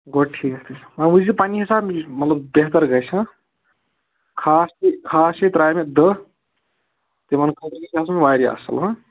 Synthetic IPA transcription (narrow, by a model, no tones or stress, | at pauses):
ɡoʈʰikt̪ʰimɐnud͡ʒipaniɦisaːbmɐt̪ləbbeɦt̪əɾɡəjt͡ʃʰɐ̃ | kʰasikʰasit̪ɾajmed̪ə | t̪emɐnkʰət̪əɾkesiasmeʋajɾia̰sə̰lɦɐ̃